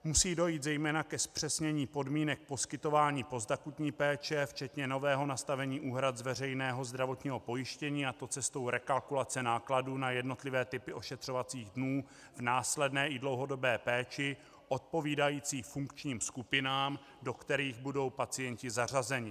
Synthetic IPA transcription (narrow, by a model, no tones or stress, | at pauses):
musiːdo̞jiːt̪zɛjmɛːnakɛspr̝̥ɛsɲɛɲiːpo̞dmiːnɛk̚po̞skɪt̪o̞vaːɲiːpo̞zd̪akut̪ɲiːpɛːt͡ʃɛft͡ʃɛt̪ɲɛno̞vɛːɦo̞nast̪avɛɲiːʔuːɦɾat̪zvɛr̝ɛjnɛːɦo̞zd̪ɾavo̞t̪ɲiːɦo̞po̞jɪʃcɛɲiːat̪o̞t͡sɛst̪o̞wɾɛkalkulat͡sɛnaːkladuːnajɛdno̞t̪lɪvɛːt̪ɪpɪʔo̞ʃɛt̪r̥o̞vat͡siːɣdnuː | vnaːslɛdnɛːʔɪdlo̞wɦo̞do̞bɛːpɛːt͡ʃɪ | ʔo̞t̪̚po̞viːdajiːt͡siːfuŋkt͡ʃɲiːmskupɪnaːm | do̞kt̪ɛɾiːɣbudo̞wpat͡sɪjɛɲcɪzar̝azɛɲɪ